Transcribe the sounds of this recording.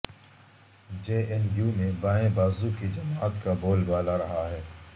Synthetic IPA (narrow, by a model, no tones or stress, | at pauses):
d͡ʒeːʔɛnjuːmẽbãːẽbaːzukid͡ʒɐmaːt̪kaboːlbaːlaɾɐɦaɦɛː